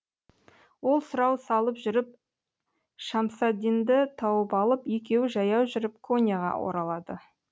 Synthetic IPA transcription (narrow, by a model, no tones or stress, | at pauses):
wo̞lˠsʊɾɑwsɑlˠəpʒʏɾɪp̚ | ʃɑmsɑd̪ʲind̪ɪt̪ʰɑwəpɑlˠəpjekʲe̞wɪʒɑjɑwʒʏɾɪp̚kʰo̞nʲjaʁɑ̰wʔo̰ɾɑlˠɑd̪ə